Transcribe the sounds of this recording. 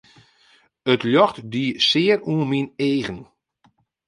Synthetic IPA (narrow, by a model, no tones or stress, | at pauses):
ətljɔxtdiːsɪːəruənmineːɣən